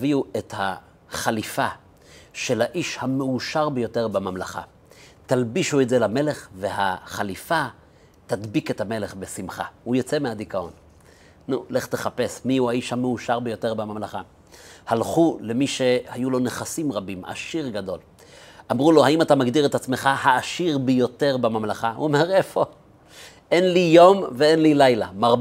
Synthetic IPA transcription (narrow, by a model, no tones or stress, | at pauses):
viuetha | χalifa | ʃe̞lhaʔiʃhameuʃaʁbejo̞te̞ʁbamamlaχa̰ | t̪albiʃuetzelame̞le̞χve̞haχalifa | t̪ad̪bike̞thame̞le̞χbesimχa̰hujot͡se̞mead̪ikao̞̰n | nule̞χte̞χape̞smiuajiʃamːeuʃaʁbejo̞t̪e̞ʁbamamlaχa | halχule̞miʃe̞hajulo̞neχasimʁabima̰ʃiʁɡado̞̰l | ʔamʁulo̞haimat̪amaɡdiʁet̪at͡sme̞χahaːʃiʁbejo̞te̞ʁbamamlaχaṵome̞ʁe̞fo̞ | enlijo̞mveenlilajlamaʁ